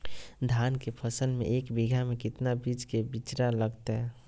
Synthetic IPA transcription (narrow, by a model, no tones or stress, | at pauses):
d̪ʱaːnkepʰəsəlmḛ̃ʔeːkbiɡʱamẽkɪt̪nabid͡ʒkebɪt͡ʃɾaləɡt̪eɦɛ